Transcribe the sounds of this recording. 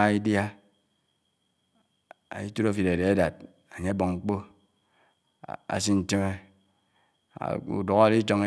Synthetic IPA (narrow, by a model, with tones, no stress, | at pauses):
a˨i˦dja˦ | a̰˨i˦tu˦ɾo˦fi˨ɾe˨de˨e˦da˨d̚ | a˨ɲe˦a˦bo˨ŋŋ͡m̩˦k͡po˦ | a̰˨s̬i˦n̩˦te˦me˦˨ | ṵ˨do˨ɣa˦a˨ɾi˦t͡ʃo˦ŋe˦